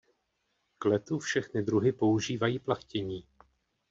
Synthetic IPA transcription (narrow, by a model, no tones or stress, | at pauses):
klɛt̪ufʃɛxnɪd̪ɾuɦɪpo̞uʒiːvajiːplaxcɛɲiː